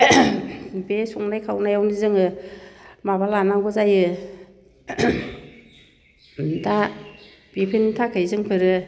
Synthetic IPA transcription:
besɔŋnajkʰawnajawnizɯŋɯ | mabalanaɡɔzajɯ | da | b̥ipʰentʰakʰɯjzɯŋpʰɯɾɯ

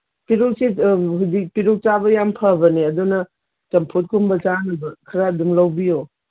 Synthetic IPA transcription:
piɾok̚siɦuzik̚piɾok̚t͡ʃabɐjampʰabɐniɐdunɐ | t͡ʃɐmpʰot̚kʰumbɐt͡ʃanɐbɐkʰɐɾadumlɐwbijo

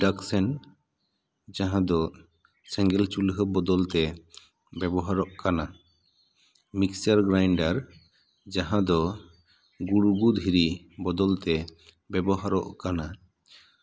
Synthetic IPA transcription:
ɖaksɛn | d͡ʒaɦãd̪ɔ | sɛ̃ŋɡɛlt͡ʃulɦəbɔd̪ɔlt̪ɛ | bɛbɔɦaɾɔʔkana | miksaɾɡɾajɳɖaɾ | d͡ʒaɦãd̪ɔ | ɡuɽuɡud̪ʱɦiɾi | bɔd̪ɔlt̪ɛ | bɛbɔɦaɾɔ̰ʔkana

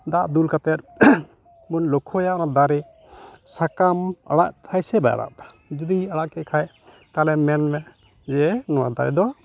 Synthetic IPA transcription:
d̪aʔd̪ulkat̪ɛt̪̚ | bunlɔkʰɔjaʔɔnad̪aɾɛ | sakama̰ɽa̰ʔt̪ʰajsɛbaja̰ɾa̰ʔa | d͡ʒud̪iaɽaʔkɛʔkʰaj | t̪alɛmɛnmɛ | d͡ʒɛnɔwa̰d̪a̰ɾɛ̰d̪ɔwa

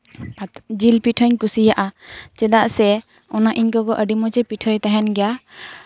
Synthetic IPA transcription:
d͡ʒilpiʈʰɔɲkusijaʔat͡ʃɛd̪aʔsɛ | ɔnaʔiɲkɔɡɔʔəɖimɔt͡ʃɛpiʈʰɔjt̪aɦɛnɡɛja

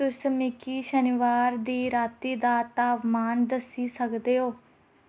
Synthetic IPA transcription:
t̪ʊsmikiːʃəniʋaːɾd̪iːɾaːt̪iːd̪aːt̪aːbmaːnd̪əsiːsəkd̪eːɦoː

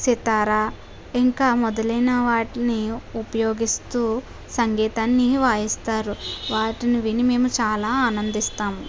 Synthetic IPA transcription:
sit̪aːɾaː | iŋkaːmɔd̪ɐlɐjnɐʋaːʈiniupɐjoːɡist̪uː | sɐŋɡɛːt̪aːnːiʋaːjist̪aːɾuʋaːʈiniʋinime̞ːmut͡ʃaːlaːaːnɐnd̪ist̪aːmu

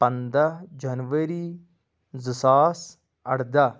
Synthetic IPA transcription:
pənd̪ad͡ʒənʋəɾiː | zəsaːs | əɽd̪aː

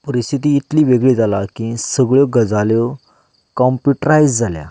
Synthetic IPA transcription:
pəɾist̪ʰit̪iːt̪liːʋeɡɭiːd͡zalakĩsəɡɭjɔɡəd͡zaljɔ | kɔmpjuʈɾajd͡zd͡zalja̰

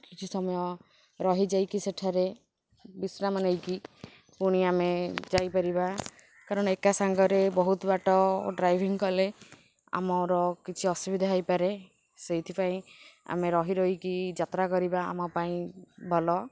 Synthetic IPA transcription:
kit͡ʃʰisɔmɔjɔ | ɾɔɦid͡ʒajkiseʈʰaɾe | bisnamanejki | puɽ̃iamed͡ʒajpaɾiba | kaɾɔɽ̃ekasaŋɡɔɾebɔɦut̪baʈɔɖɾajbʱiŋkɔle | a̰mɔɾɔkit͡ʃʰiɔsubid̪ʱaɦajpaɾe | sejt̪ʰipaĩa̰meɾɔɦiɾɔɦikid͡ʒat̪ɾakɔɾibaa̰mɔpaĩbʱɔlɔ

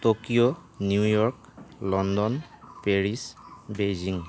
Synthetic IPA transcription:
tokijonjujɔɹk | lɔndɔnpeɹisbejziŋ

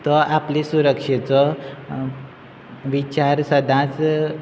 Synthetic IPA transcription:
t̪ɔʔaplisuɾəkʂet͡sɔ | ʋit͡ɕaɾsəd̪ʱãt͡s

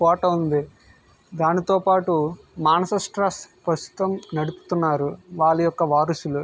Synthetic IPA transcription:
kɔːʈɐund̪i | d̪aːnit̪o̞ːpaːʈu | maːnɐsɐsʈɾɐspɾɐst̪u̥t̪ɐmnɐɽupu̥t̪unːaːɾuʋaːɭɐjɔkːɐʋaːɾɐsulu

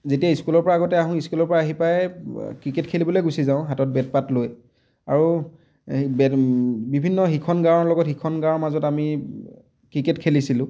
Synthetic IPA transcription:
zetiaiskulɔɹpɔɹaːɡɔtɛaɦʊ̃iskulɔɹpɔɹaːɦipajkɹiketkʰelibɔlojɡusizaʊ̃ɦatɔt̚bɛt̚patloj | aɹu | bɛbibʱinːɔxikʰɔnɡaɔɹlɔɡɔtxikʰɔnɡaɔmazɔtami | kɹiketkʰelisilʊ̃

